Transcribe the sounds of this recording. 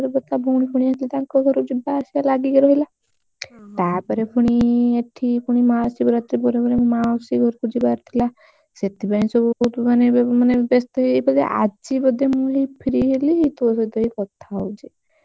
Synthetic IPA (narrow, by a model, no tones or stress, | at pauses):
ɾebɔt̪abʱuɽ̃ipʰuɽ̃iaslit̪ãŋkɔɡʱɔɾkud͡ʒibasialaɡikeɾɔɦila | t̪apɔɾepʰuɽ̃ieʈʰːipʰuɽ̃imasibɔɾat̪ɾipɔɾepɔɾemaɔsiɡʱɔɾkud͡ʒibaɾt̪ʰila | set̪ibanĩsɔbut̪umanemanebest̪ɔebɔd̪ḛʔa̰d͡ʒibɔd̪ʱemuɦibʰiɾiɦeliɦit̪us̬ɔt̪ɔikɔt̪ʰaɔwt͡ʃʰe